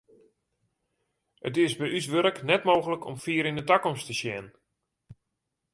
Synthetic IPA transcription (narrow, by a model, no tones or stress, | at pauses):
ə̰tɪsbɛjysʋøɾəknɛtmoːɣələkʰɔ̰mfiːɾɪndətakɔmstəʃjɛn